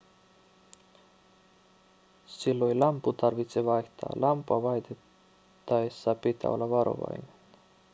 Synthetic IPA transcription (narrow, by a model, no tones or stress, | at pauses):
silːojlɑmpːut̪ɑrʋit̪seʋɑjht̪ɑ̰ːlʔɑmpɑʋɑjt̪e | t̪ːɑesːɑpit̪æ̰olːɑʋɑɾo̞̰ʋɑ̰jne̥n